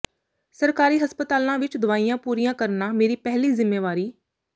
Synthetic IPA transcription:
səɾkaːɾiːɦəspət̪aːlãːʋɪt͡ʃd̪ʊʋaːijãːpuːɾiːjãːkəɾnaːmeːɾiːpɛɦliːzɪmːeːʋaːɾiː

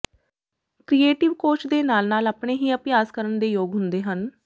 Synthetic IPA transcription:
kɾiːeːʈɪʋkoːt͡ʃd̪eːnaːlnaːləpɳeːɦiːəpjaːskəɾəɳd̪eːjoːɡɦʊnd̪eːɦən

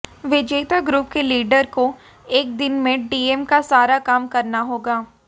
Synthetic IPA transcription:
ʋɪd͡ʒeːt̪aɡɾuːp̚keliːɖəɾko | eːk̚d̪ɪnmẽɖiːemkasaːɾakaːmkɐɾnaɦoːɡaː

